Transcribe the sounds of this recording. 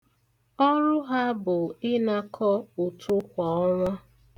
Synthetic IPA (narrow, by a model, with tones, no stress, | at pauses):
ɔ˦ɾʊ˦ɦa˦bʊ˨ɪ˦na˦kʰɔ˦o˨tʰʊ˦kʷa˨ɔ˦ŋʷa˦